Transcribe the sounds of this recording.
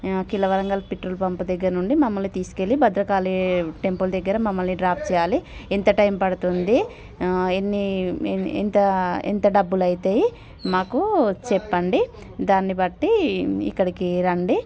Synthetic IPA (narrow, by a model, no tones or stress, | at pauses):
kilɐʋɐɾɐŋɡaːlpiʈɾolpɐmpɐd̪ɛɡːɐɾɐnuɳɖimɐmːɐlnit̪iːsu̥ke̞libɐd̪ɾɐkaːliʈe̞mpuld̪ɛɡːɐɾɐmɐmːɐlniɖɾaːp̚ʰt͡ʃɛːjaːlient̪ɐʈɐjmpɐɽut̪und̪i | enːi | ḛnt̪ɐḛnt̪ɐɖɐbːulɐjit̪eː | maːkut͡ʃɛpːɐɳɖi | d̪aːnːibɐʈːiḭkːɐɽikiɾɐɳɖi